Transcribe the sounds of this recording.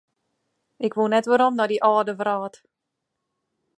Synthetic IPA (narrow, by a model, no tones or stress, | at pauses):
ʔɪkʋunɛtʋəɾɔmnɔdiʔɔːdəvraːt